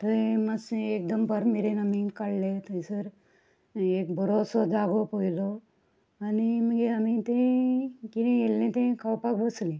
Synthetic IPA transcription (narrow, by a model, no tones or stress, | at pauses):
t̪əeməsek̚d̪əmpəɾmeɾenamĩkaɽlet̪əisəɾ | ek̚bʱəɾosɔd͡zaɡopoilɔ | animəɡeamit̪ẽkit̪ẽjelːẽt̪ẽkʰawpakbəslẽ